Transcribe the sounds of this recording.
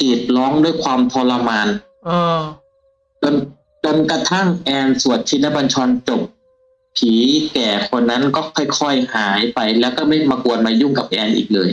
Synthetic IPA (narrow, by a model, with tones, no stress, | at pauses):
t̪iː˨˩t̪̚lɔː˦˥ŋdu˥˩əjkʰwaː˧mt̪ʰɔː˧la˧maː˧nː˧ | t͡ɕo˧n | t͡ɕo˧nka˧t̪ʰa˥˩ŋʔɛː˧nsu˨˩ət̪ʰːiː˧˩nɛ˦˥˩ba˧nt͡ɕʰɔː˧nt͡ɕo˨˩p̚ | pʰiː˩˦kɛː˨˩kʰo˧nːa˦˥nkɔː˥˩kʰɔ˥˩jkʰɔ˧˩jhaː˨˩˦jpa˧jlɛː˦˥wkɔː˥˩ma˥˩jmaː˧ku˧ənmaː˧juː˥˩ŋka˨˩p̚ʔɛː˧nʔḭː˨˩k̚lɤː˧j